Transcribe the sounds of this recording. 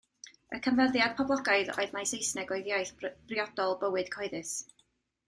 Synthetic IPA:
ə̰kʰənvəðjad̥̚pʰɔblˠɔɡaɨðɔ̰ɨðmajsejsnɛɡɔjðjajθb̥rɪɔd̥ɔlˠbəwɨd̥kʰɔɨðɨs

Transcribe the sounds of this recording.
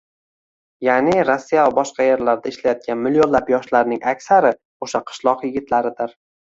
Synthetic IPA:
janɪɾosːijavabɒʃqɑjeɾlaɾd̪aɪʃlajɒt̪̚kʲʰanmɪlːionlapjɒʃlaɾnɪŋʔakʲsaɾɪ | oʃaqʰɨ̥ʃlˠɒqjɪɡʲɪt̪ʰlaɾɪd̪ɪɾ

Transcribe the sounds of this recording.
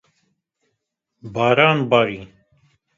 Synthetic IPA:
baːɾaːnbaɾi

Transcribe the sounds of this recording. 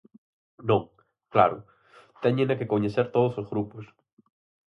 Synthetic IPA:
nõŋ | kla̰ɾʊ | t̪eɲẽŋakekoɲeseɾt̪oð̞osozɣɾupos

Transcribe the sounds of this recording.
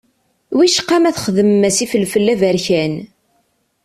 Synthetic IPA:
wiʃqːɑmæθχəðəmmæsifəlfəlːævæɾçæn

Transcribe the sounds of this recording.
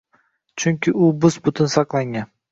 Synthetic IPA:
t͡ʃʰʊŋkʲɪʊbʊzbʊt̪ʰʊnsɑqlˠaŋan

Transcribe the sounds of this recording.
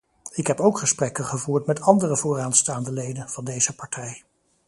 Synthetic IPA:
ɪkɦɛpowkχəsprɛkəχəvuːɹtmɛtɑndərəvʊːɹaːnstaːndəlejdənv̥ɑndejz̥əpɑɹtʰɛj

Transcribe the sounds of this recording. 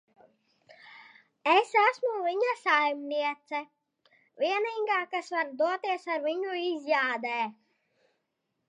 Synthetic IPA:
esæsmuviɲasajmniɛt̪sɛ | vʲiɛniːɡaːkasvaɾd̪uɔt̪iɛsaɾviɲuizʲjaːd̪ɛː

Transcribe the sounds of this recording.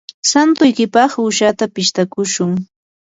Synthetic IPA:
sant̪ʊjkɪpɑχʊʃat̪apɪʃt̪akʊʃʊŋ

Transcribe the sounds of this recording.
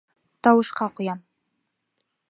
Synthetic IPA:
t̪ɑwɨʃqɑqʊjɑm

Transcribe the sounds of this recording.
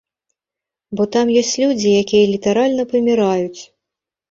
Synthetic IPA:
bɔt̪amjɔsʲt͡sʲlʲud͡zʲijakʲijɐlʲit̪aɾalʲnɐpɐmʲiɾajut͡sʲ

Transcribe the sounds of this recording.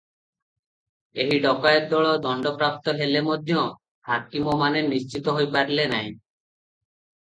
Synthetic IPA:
eɦiɖɔkajeɾd̪ɔɭɔd̪ɔɳɖɔpɾap̚t̪ɔɦelemod̪ʱjɔ | hakimɔmaneɾniʃt͡ʃit̪ɔɦojpaɾilenaj̃

